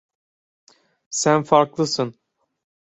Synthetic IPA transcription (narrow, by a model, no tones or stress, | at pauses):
sænfaɾklˠɯsɯn